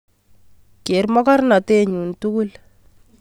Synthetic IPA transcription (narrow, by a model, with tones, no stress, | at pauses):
ke˨ɾmɔ˦ka˦ɾna˨te˦˨ɲu˨ntu˦ku˦l